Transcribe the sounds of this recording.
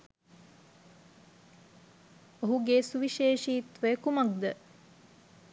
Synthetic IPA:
oɦuɡesuʋiʃeːʃiːt̪ʋəəkumɐk̚d̪ə

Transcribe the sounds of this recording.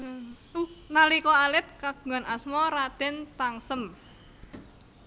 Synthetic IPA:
unalikɔalɪt̪̚kaɡ̥uŋanasmɔɾad̪̥ɛ̤nt̪aŋsəm

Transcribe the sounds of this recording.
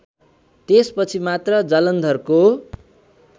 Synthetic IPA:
t̪espʌt͡sʰimat̪rʌd͡zʌlʌnd̪ʱʌrko

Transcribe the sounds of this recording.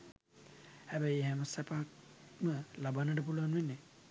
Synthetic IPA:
hæbɛjɦɛməsɛpak̚məlabanːəʈ̬əp̬uluanʋenːe

